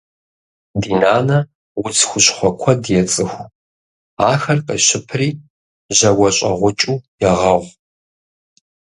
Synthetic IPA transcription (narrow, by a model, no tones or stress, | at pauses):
diːnaːnɐ | wʊt͡sʰxʷʊɕχʷɔkʷʰɔdjɛt͡sʼɨxʷ | aːxɐrqəʃɪpʰriː | ʑɐwɐɕʷʼɐʁʷʊt͡ʃʼuːjɛʁɐʁʷ